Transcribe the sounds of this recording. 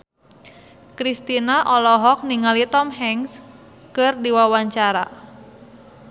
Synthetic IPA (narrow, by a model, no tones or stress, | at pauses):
kɾist̪inaʔɔlɔɦɔk̚niŋalit̪ɔmɦɛŋs | kɨrdiwawaɲt͡ʃaɾa̰